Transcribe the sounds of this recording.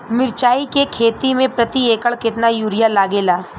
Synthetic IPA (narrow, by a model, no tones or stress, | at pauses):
mɪɾt͡ʃaːikekʰeːt̪imẽpɾɐt̪ieːkəɭkɪt̪najuːɾɪjalaːɡeːlaː